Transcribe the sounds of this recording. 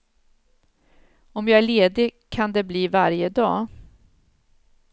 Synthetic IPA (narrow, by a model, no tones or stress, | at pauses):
ɔmjɑːæɭeːd̪ɪkʰand̪ɛbliːvaɾjəd̪ɑː